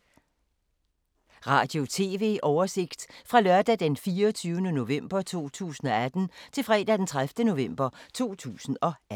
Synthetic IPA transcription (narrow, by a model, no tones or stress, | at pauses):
ʁɑ̈ːd̥jo̝t͡sʰe̝ːʋe̝̰ːʔɒʊɐse̝ɡ̥d̥fʁɑ̈lɶɐd̥æd̥enfiːɐɒt͡sʰyːʊənəno̝ʋem̰b̥ɐt͡sʰo̝̰ːt͡sʰṵːsn̩ɒ̽æd̥n̩t͡sʰe̝lfʁɛ̰ːd̥æd̥ent͡sʰʁafd̥əno̝ʋem̰b̥ɐt͡sʰo̝̰ːt͡sʰṵːsn̩ɒ̽æ